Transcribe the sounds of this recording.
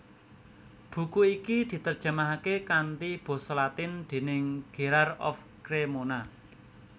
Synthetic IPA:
b̥ṳkuikid̪̥i̤t̪ərd̥ʒ̥ə̤maɦakekant̪ib̥o̤slat̪ɪnd̪̥e̤nɪŋɡ̥e̤ɾarɔ̰f | kɾemona

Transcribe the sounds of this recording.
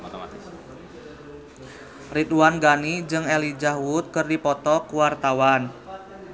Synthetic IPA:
rit̪uwanɡanid͡ʒɨŋɛlid͡ʒahwut̪̚kərdipɔt̪ɔkuwart̪awan

